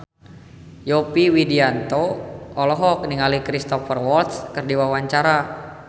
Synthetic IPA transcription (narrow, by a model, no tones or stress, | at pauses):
jɔpiwidiant̪oɔlɔɦɔkniŋalikɾist̪ɔfərwɔlt̪skɨrdiwawaɲt͡ʃaɾa